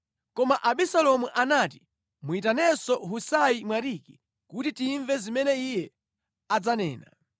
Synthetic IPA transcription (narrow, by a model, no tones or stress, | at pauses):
kɔmaʔaɓisalɔmuʔanaːti | muitanɛsɔɦusaimwaɾiki | kutitiːɱvɛzimɛnɛijɛ | ad͡zanɛ̰ːna̰